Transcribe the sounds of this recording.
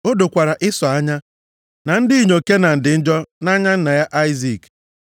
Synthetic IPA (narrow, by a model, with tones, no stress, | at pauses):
o˦do˨kʷa˨ɾa˨ʔɪ˦sɔ˨a˦ɲa˦ | na˨n̩˦dɪ˦i˦˨ɲo˨ke˦na˨n̩˨dɪ˨n̩˦d͡ʒɔ˦na˦ɲa˦n̩˦na˨ja˦ʔa˦ɪ˦zi˨k